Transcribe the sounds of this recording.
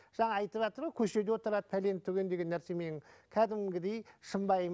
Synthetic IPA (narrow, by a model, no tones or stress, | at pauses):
ʒ̥ɑɴɑɑjt̪əpʒɑt̪əɾmɑkʲʰɵʃe̞d̪ewot̪əɾɑd̪əpʰæle̞nɪpt̪ʰːɵɡʲe̞nd̪e̞ɡʲe̞nːæɾse̞me̞nɪŋkʲʰæd̪ɪmɡʲɪd̪e̞jʃəmbɑjm